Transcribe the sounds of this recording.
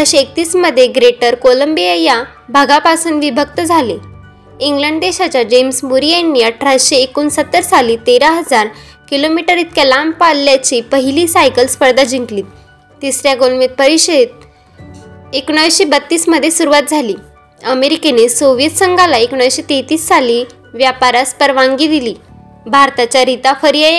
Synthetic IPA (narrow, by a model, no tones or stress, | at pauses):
aɕeek̚t̪iːsməd̪ʱːjeɡɾeʈəɾkoləmbieja | bʱaɡapasuːnʋibʱək̚t̪əd͡zʱale | iŋɡləɳɖd̪eɕat͡ɕad͡ʑemsmuɾijanːiːəʈʰɾaɕeːkuːnsət̪ːəɾsaliːt̪eɾaɦəd͡zaɾ | kilomiʈəɾit̪̚kəlampalːjat͡ɕiːpəɦiliːsajkəlspəɽd̪ad͡ʑiŋkliː | t̪isɾjaɡolmit̪̚pəɾiɕt̪̚ | ekɽ̃əʋiɕebət̪ːiːsməd̪ʱːjesuɾuʋat̪̚d͡zʱaliː | əmeɾikenesoʋijət̪səŋɡʱalaekɽ̃ʋiɕet̪et̪iːsːaliː | ʋjapaɾaspəɾʋaŋɡiːd̪iliː | bʱaɾt̪at͡ɕjaɾit̪afəɾijae